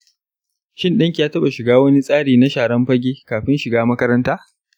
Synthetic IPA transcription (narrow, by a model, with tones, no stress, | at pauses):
ʃɪ˦nɗɪ˦ŋkʲi˨jaː˦tɐ˦ɓa˨ʃɪ˨ɡaː˦wɐ˦ni˦sʼaː˦ɽiː˨na˦ʃaː˨ɽɐ˦mɸɐ˦ɡʲeː˦kaː˨ɸɪ˦nʃɪ˨ɡaː˦mɐ˦kɐ˦ɾɐ˦ntaː˦